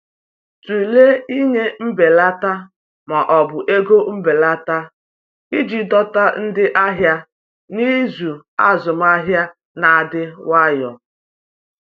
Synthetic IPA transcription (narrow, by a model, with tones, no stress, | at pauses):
tu˨le˦i˦ɲe˦m̩˦be˨la˦ta˦ | ma˨ʔɔ˨bʊ˨ʔe˦ɡo˦m̩˦be˨la˦ta˦ | i˦d͡ʒi˨dɔ˦ta˦n̩˦dɪ˦ʔa˦ɦja˦ | ni˦zu˨ | a˦zʊ˨m˦a˦ɦja˦ | na˨a˨dɪ˦wa˦jɔ˨